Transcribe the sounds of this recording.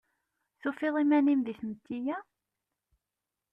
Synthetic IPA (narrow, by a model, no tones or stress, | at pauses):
θufiðˤimænimðiθmət̪ːijæ